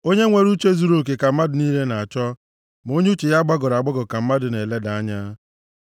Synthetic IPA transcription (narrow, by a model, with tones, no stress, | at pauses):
o˦ɲe˦ŋʷe˨ɾu˦t͡ʃe˦zu˨ɾo˦˨k̬e˨ka˨m̩˦ma˦dʊ˨ni˦le˦na˨a˨t͡ʃɔ˦ | m˨o˦ɲ˦u˦t͡ʃe˨ja˦ɡ͡ba˦ɡɔ˨ɾa˨ɡ͡bɔ˦ɡʊ˨ka˨m̩˦ma˦dʊ˨ne˨le˦da˨a˦ɲa˦